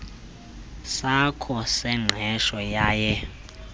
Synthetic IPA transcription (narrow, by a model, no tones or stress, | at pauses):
sakʰɔsɛŋ͡ǁʱɛʃɔjaːjɛ